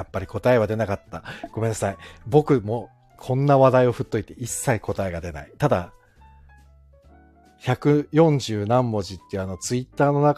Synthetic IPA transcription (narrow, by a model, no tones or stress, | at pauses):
apːaɾʲiko̞t̪ae̞β̞ad̪e̞nakat̪ːaɡ̥o̞me̞nːasaibo̞kɯ̟mo | kʰõ̞nːaβad̪aio̞ɸɯ̟t̪ːo̞it̪e̞ʔisːaikʰo̞t̪ae̞ɡad̪e̞na̰it̪ad̪a | çakɯ̟jõ̞ɲ̟d͡ʑɨːnãmːo̞ʑit̪ːeɯ̟ano̞t͡sɨit̪ːaːno̞nak